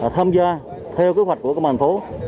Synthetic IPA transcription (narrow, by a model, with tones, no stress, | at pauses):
t̪ʰaː˧mzaː˧ | t̪ʰɛ˧wki˦ɦwa˨˩j̟̚ku˧˩əkːwmʰaː˨˩nfo˨˦